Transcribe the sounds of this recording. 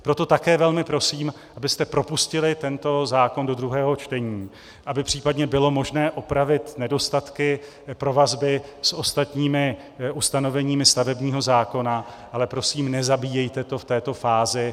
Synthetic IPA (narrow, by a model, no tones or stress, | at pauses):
pɾo̞t̪o̞t̪akɛːvɛlmɪpɾo̞siːm | ʔabɪst̪ɛpɾo̞puscɪlɪt̪ɛnt̪o̞zaːko̞ndo̞d̪ɾuɦɛːɦo̞t͡ʃt̪ɛɲiː | ʔabɪpr̥iːpadɲɛbɪlo̞mo̞ʒnɛːʔopɾavɪt̪nɛdo̞st̪at̪kɪ | pɾo̞vazbɪsʔo̞st̪at̪ɲiːmɪ | ʔust̪ano̞vɛɲiːmɪst̪avɛbɲiːɦo̞zaːko̞na | ʔalɛpɾo̞siːmnɛzabiːjɛjt̪ɛt̪o̞ft̪ɛːt̪o̞faːzɪ